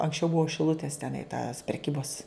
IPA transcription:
ɐŋksʲˈt͡ʃʲɛʊ ˈbuɔ ʃʲɪˈlˠʊtʲeːs tʲɛˈnɐɪ tɐs pʲrʲɛˈkʲiːboːs

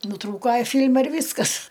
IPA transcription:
nʊˈtruːkoː ˈfʲiːlʲmɐ ɪr ˈʋʲiːskɐs

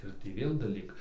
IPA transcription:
ɪr ˈtʲiː ˈʋʲeːlˠ dɐˈlʲiːk

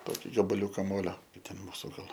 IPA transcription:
ˈtoːkʲɪ ɡɐbɐˈlʲuːkɐ ˈmoːlʲoː ɪ ˈtʲɛn ˈmuːsʊ ˈɡɐlˠ

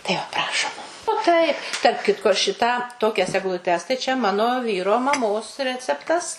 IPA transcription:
tɐɪ ˈʋɐ ˈprɑːʃoːm oː ˈtɐɪp tɐrp ˈkʲɪtkoː ˈʃʲɪtɑː ˈtoːkʲɛs ɛɡlˠʊˈtʲɛs tɐɪ t͡ʃʲɛ ˈmɑːnoː ˈʋʲiːroː mɐˈmoːs ˈrʲæːt͡sʲɛptɐs

